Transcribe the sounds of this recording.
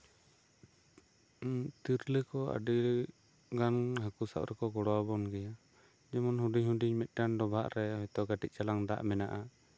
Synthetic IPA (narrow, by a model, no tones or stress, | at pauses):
t̪iɾləkɔa̰ɖil | ɡanɦakusa̰ʔɾɛkɔɡɔɽɔwabɔnɡɛja | d͡ʒɛmɔnɦuɖiɲɦuɖiɲmɛt̪̚ˀɡanɖɔbʱaʔɾɛɦɔjt̪ɔʔɡaʈic̪̚t͡ʃalaŋd̪a̰ʔmɛnaʔa